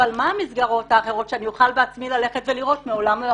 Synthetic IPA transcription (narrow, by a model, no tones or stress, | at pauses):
almaamisɡaʁo̞thaːχe̞ʁo̞tʃeanijuχalbeat͡smilale̞χetveliʁo̞tmeolame